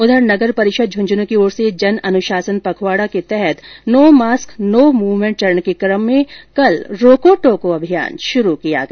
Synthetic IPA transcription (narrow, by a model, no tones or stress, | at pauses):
ʊd̪ʱəɾnɐɡəɾpɐɾɪʃəd̪̚d͡ʒʱʊ̃ɲd͡ʒnõkioːɾsed͡ʒɐnɐnʊʃaːsənpɐkʰwaːɽaket̪ɛɦɛt̪noːmaːsknoːmuːʋmẽːʈt͡ʃɐɾəɳkekɾəmːẽkɐlɾoːkoʈoːkoɐbʱija̰ːnʃʊɾukija̰ɡɐ